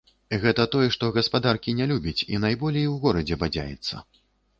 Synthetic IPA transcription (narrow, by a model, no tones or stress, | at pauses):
ɣɛt̪ɐt̪ɔjɛʂt̪ɔɣɐspad̪arkʲinʲɛlʲubʲɐt͡sʲḭnajbɔlʲejwɣɔɾɐd͡zʲɛbad͡zʲa̰jɛ̰t̪sːɐ̰